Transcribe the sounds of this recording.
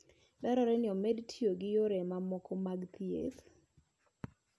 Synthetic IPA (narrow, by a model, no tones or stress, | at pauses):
dɛɾɔɾɛnɪɔmedtʰioɡɪjoɾɛmamɔkɔmaɡt̪iḛt